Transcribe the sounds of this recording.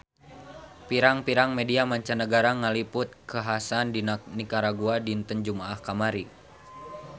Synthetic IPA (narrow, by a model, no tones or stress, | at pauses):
piɾaŋpiɾaŋmɛdiamaɲt͡ʃanəɡaɾaŋalipʊt̪̚kəɦasandinanikaɾaɡuadint̪ənd͡ʒumaːhkamaɾi